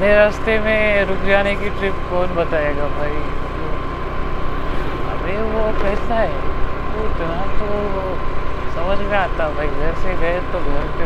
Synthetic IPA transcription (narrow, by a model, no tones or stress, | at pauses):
ɾeɾaːst̪emẽɾʊkd͡ʒaːnekiʈɾɪpkɔːnbɐt̪aːeːɡabʱaːit̪o | ɐɾeʋokɛːsaɦɛt̪oɪt̪nat̪o | sɐməd͡ʒʱmẽaːt̪aɦɛbʱaːid͡ʒɛːseɡɐet̪obʱəɾt̪e